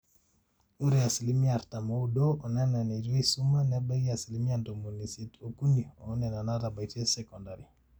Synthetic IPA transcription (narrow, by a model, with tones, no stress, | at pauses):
u˦ɾɛa˨si˨li˦mi˦a˨ɾta˨mɔ˦u˦dɔ˦ɔ˨nɛ˦na˨ne˨ɾi˦su˦ma˦nɛ˦ba˦ɡi˦a˨si˨li˦mi˦a˨ndo˨mo˨ni˨si˦to˨ku˦niɔ˨˦nɛ˨na˨na˦ɾa˨ba˨i˨tɛ˦sɛkɔ˨nda˨ɾi˨